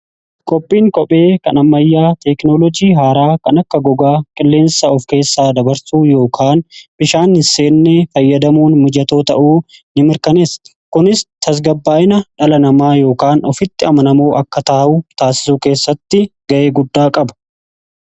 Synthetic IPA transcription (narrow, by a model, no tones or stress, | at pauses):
kʼɔpʼːiːŋkʼɔpʼe̞ːkɐnɐmːɐjːaːt̪ɛknɔlɔd͡ʒiːɦaːɾaːkɐnɐkːɐɡɔɡaːkʼɪlːe̞ːnsaɔfke̞ːsːaːd̪ɐbɐɾsuːjo̞ːkʰaːnbɪʃaːnhɪnse̞ːnːefɐjːɐd̪ɐmuːnmʊd͡ʒɐt̪oːt̪ɐ̰ʔuːnɪmɪɾkɐneːs | kʊnɪst̪ʰɐs̬ɡɐbːaːʔɪnɐᶑɐlɐnɐmaːjo̞ːkaːnɔfɪt̪ːɪɐmɐnɐmoːʔɐkːɐt̪aːhuːt̪aːsɪ̥suːke̞ːsːɐt̪ːɪɡ̥ɐʔe̞ːɡʊd̪ːaːkʼɐbɐ̥